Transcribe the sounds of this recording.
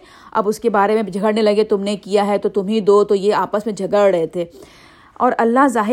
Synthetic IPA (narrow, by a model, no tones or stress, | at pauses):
ɐ̰bʊskebaːɾemẽd͡ʒʱɐɡəɽnelɐɡet̪ʊmnekijaɦɛt̪ot̪ʊmɦid̪ot̪ojeaːpəsmẽd͡ʒʱɐɡəɭɾɛɦet̪ʰeː | ɔːɾɐlːaɦzaːɦ